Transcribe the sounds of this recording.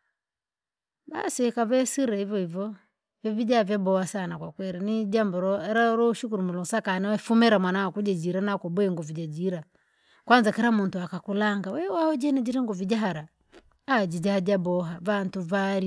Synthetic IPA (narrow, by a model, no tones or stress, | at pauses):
ba̰siwɛkavɛsiɾaivɔivɔ | vɛvid͡ʒavjabɔhasanakwakwɛɾinid͡ʒambɔɾɔɛɾaɾɔuʃukuɾumulɔŋsakanɛwɛfumɛɾamwanawakud͡ʒad͡ʒiɾanakɔbwɛŋɡɔvid͡ʒad͡ʒiɾa | kwanzakɛɾamuntuakakulaŋɡawɛwahɔd͡ʒɛnad͡ʒiɾɛŋɡɔvid͡ʒaɦaɾa | ad͡ʒid͡ʒahad͡ʒabɔɦavantuvaɾi